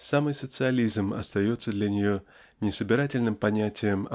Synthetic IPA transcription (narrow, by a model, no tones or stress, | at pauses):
samɨjsət̪sɨɐlʲizmɐ̰st̪ɐjo̞t̪sːəd̪lʲɐnʲɪjo̞ | nʲɪsəbʲɪɾatʲɪlʲnɨmpɐnʲætʲɪjəmɐ